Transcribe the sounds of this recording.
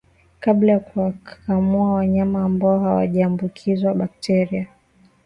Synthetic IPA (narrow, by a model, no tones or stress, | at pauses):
kaɓlajakuwakamuawaɲamaːmbaɔhawa̰ʄaːmbukʰizwaɓak̚tʰɛɾia